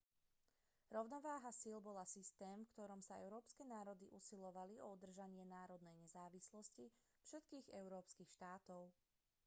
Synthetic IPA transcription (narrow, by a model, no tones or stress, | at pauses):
ɾɔʊnɔʋaːɦasilˠbɔlasist̪ɛːmfkt̪ɔɾɔmsaɛ̰ʊɾɔːpskɛnaːɾɔd̪iʔusilɔʋaliɔud̪r̩ʒaɲɪɛnaːɾɔd̪nɛjɲɛzaːʋislɔsci | fʃɛt̪kiːɣɛʊɾɔːpskiːxʃt̪aːt̪ɔʊ